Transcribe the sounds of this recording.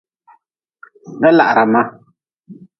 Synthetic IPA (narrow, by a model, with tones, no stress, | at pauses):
nɛ˦la̰˨ʔɾa˨ma˦